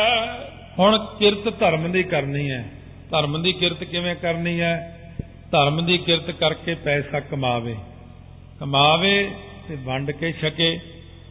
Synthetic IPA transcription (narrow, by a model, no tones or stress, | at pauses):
hʊɳkɪɾt̪t̪əɾmd̪iːkəɾniːɛː | t̪əɾmd̪iːkɪɾt̪kɪʋẽːkəɾniːɛː | t̪əɾmd̪iːkɪɾt̪kəɾkeːpɛːsaːkəmaːʋḛː | kəmaːʋeː | t̪eːbʱəɳɖkeːʃəkeː